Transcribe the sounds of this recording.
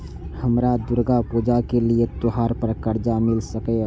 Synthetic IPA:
həmɾad̪uɾɡapud͡ʒakeliet̪oɦaɾpəɾkəɾd͡ʒamilsəkɛ

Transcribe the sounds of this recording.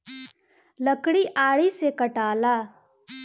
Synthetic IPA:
ləkɽiʔaːɽisekɐʈaːlaː

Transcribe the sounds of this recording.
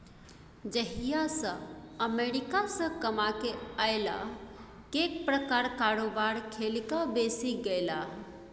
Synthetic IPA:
d͡ʒəɦijasə̃əmeɾikasə̃kəmakeaɪla̰ | kek̚pɾəkaɾkaɾobaɾkʰelkabesiɡejla

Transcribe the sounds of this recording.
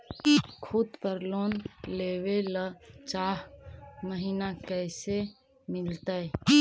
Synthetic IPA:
kʰud̪pəɾlonlewelət͡ʃaɦməɦinakəjse | milt̪əj

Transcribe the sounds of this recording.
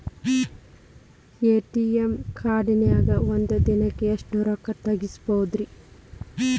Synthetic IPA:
eːʈiemkʰaːɖinɐjaːɡɐʋond̪ɐd̪inɐkːeɐʂʈuɾɐkːɐt̪ːɐɡispoːd̪ɾi

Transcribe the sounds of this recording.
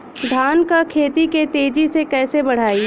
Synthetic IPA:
d̪ʱaːnkakʰeːt̪iket̪eːd͡ʒisekɛːsebɐɽ̤aːi

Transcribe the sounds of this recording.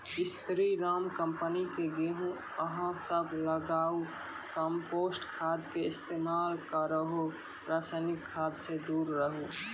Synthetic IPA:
ɪst̪ɾiɾaːmkə̃mpənikeɡeɦũ | əɦãsəbʱləɡaːu | kəmpoːsʈkʰaːd̪keɪst̪eːmaːlkaɾəɦo | pɾaːsaɪnɪkʰːaːd̪sed̪uːɾːəɦo

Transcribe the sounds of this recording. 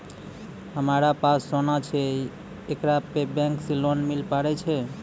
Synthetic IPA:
ɦəmaɾapassonat͡ʃʰe | ekɾapebɛ̃ŋksilonmilpaɾɛt͡ʃʰɛ

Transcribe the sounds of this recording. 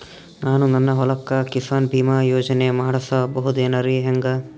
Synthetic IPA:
naːnunɐnːɐɦɔlɐkːɐkisaːnbʱiːmajoːd͡ʒɐnemɐɦɐɽɐsɐbɐɦud̪eːnɐɾiɦeŋɡɐ

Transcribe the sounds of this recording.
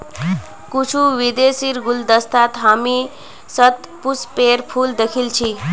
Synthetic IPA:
kut͡ʃʰuʋid̪esiɾɡuld̪əst̪at̪ɦami | sət̪ | puspeɾpʰuːld̪ekʰilt͡ʃʰi

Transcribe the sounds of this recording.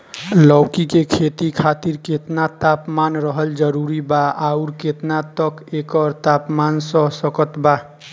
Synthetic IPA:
lɔwkikekʰet̪ikʰat̪iɾket̪nat̪apmanɾəɦəld͡ʒəɾuɾibaauɾket̪nat̪ʌkekʌɾt̪apmansʌsəkət̪ba

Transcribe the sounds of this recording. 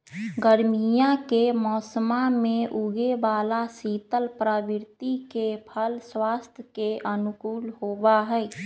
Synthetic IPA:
ɡəɾmijãkemɔːsəmamẽʔuɡebaːlasit̪əlpɾabɪɾt̪ikepʰəlswaːst̪ʰjəkeʔənukuːlhoːbaɦɛɛ

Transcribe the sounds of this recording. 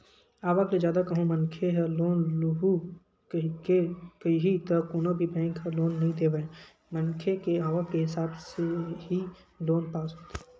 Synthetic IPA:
aːʋakled͡ʒjaːd̪akəɦũmənkʰeɦəloːnlʊɦu | kekiɦit̪əkoːnobʱibɛ̃ːŋkɦəloːnːəɦĩd̪eːʋaːẽ | mənkʰekeaːʋakeɦɪsaːbseɦi | loːnpaːsɦoːt̪e̥

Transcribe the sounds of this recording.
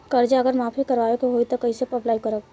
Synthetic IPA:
kəɾd͡ʒaəɡəɾmaːpʰikəɾʋaːʋekoɦoit̪okəisepəblaːikəɾək̚

